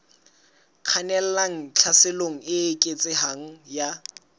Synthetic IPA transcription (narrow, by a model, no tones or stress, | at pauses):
q͡χʰanɛl̩laŋ̩t͡ɬʰasɪloŋ̩ɪːkʼet͡sʼɪɦaŋ̩ja